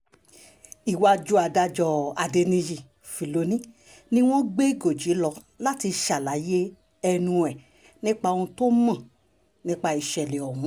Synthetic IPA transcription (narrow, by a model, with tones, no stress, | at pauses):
i˨wa˧d͡ʒu˦a˧˨da˧d͡ʒɔ˧a˨de˧nĩ˧d͡ʒi˨ | fi˨lo˨˦nĩ˦ | nĩ˦w̃ɔ̃˦ɡ͡be˦˨ɡo˨d͡ʒi˨˦lɔ˧˦ | la˦ti˧ʃa˨la˨˦je˦ | ɛ˧nũ˧ɛ˨ | nĩ˦k͡pa˧o˧ũ˧to˦mã˦˨ | nĩ˦k͡pa˧i˨ʃɛ˨le˨ɔ˨ɦũ˨˦